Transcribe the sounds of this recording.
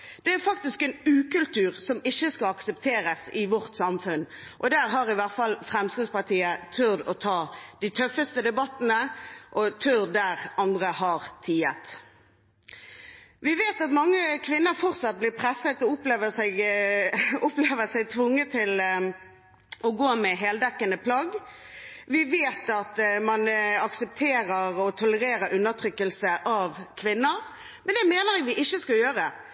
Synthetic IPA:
d̪̥ɛæɾfɑk̚t̪ɪskɛnʉːkʉlt̪ʉːʁsɔmɪçːəskɑɑksəp̚t̪ʰeːɾəsɪʋɔʁt̪sɑmfʉnʔɔd̪æːʁɦɑʁɪʋæʁt̪fɑlfʁɛmskɪd̪spɑʁt̪ʰiːət̪ʰʉʁd̪ɔt̪ʰɑːd̪̥it̪ʰœfːəst̪əd̪ɛbɑt̪ːənəʔɔt̪ʰʉdd̪æʁɑnd̪ʁəhɑʁt̪ʰiːət̪ | ʋɪʋeːt̪ɑt̪mɑŋːəkʰʋɪnːəɾfɔʁt̪sɑt̪̚blɪːʁpʰʁɛsːət̪ɔʊpleːʋəsɛɪɡ | ʊpleːʋəsæɪt̪ʰʋʊŋːət̪ʰɪl | ɔɡoːmɛɦeːld̪ɛkːənəpʰlɑɡ | ʋɪʋeːt̪ɑt̪mɑnɑksəp̚t̪ʰeːɾəʁɔt̪ʰʊləʁeːɾəɾʉnːət̪ʰɾʏkːəlsəʔɑʋkʰʋɪnːəɾ | mɛnd̪ɛmeːnəʁɛɡʋɪʔɪçːəskɑljøːʁə

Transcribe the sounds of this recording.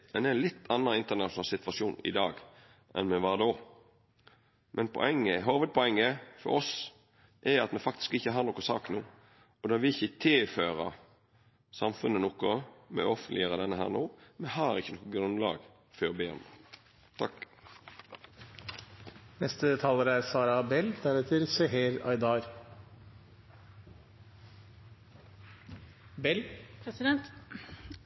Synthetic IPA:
mɛnd̪ɛlɪt̪ʰːɑnːəɪnt̪ənɑʃʊnɑːlsɪt̪ʋɑsuːnɪ̰d̪ɑːɡ | ʔɛ̰nmɛʋɑːd̪oː | mʔɛnpʰɔ̰ɛŋːəɦɑːʋəd̪̚pʰɔɛŋːəfɔ̰ɾɔs | ʔɛɾɑt̪mɛfɑk̚t̪ɪ̥skɪçːəɦɑːɾnɔkːʊsɑ̰ːknuː | ɔd̪ɑʋɪɪçːət̪ʰɪlføːɾɑ | sɑmfʉnːənɔkːɔmɛ̰ɔfənlɪəɾəd̪ɛnːəɦæ̰ːɾnuːmɛhɑːɾɪçːənɔkːʊɡɾʉnlɑ̰ːɡ | fɔːɾɔbeːɔ̰m | t̪ʰɑk | nɛst̪ət̪ʰɑːləɾæɾsɑːɾɑbɛld̪æɾɛt̪ʰəɾseɦeːɾɑ̰ɪd̪ɑːɾ | bɛlʰsɪd̪ɛnt̪

